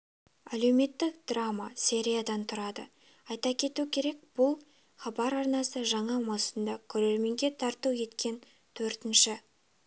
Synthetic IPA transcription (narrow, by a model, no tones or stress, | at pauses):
æle̞wme̞t̪ːɪkd̪̥ramasʲe̞ɾʲijad̪ɑnt̪ʰʊɾɑd̪ə | ɑjt̪ɑkʲʰe̞t̪ukʲʰe̞ɾe̞k̚b̥ʊlˠ | χɑbɑɾɑɾnɑsəʒɑɴɑmɑsənd̪ɑkʲʰɵɾe̞ɾme̞ŋɡʲe̞t̪ʰɑɾt̪əwje̞t̪kʲe̞n | t̪ʰɵɾt̪ɪnʃɪ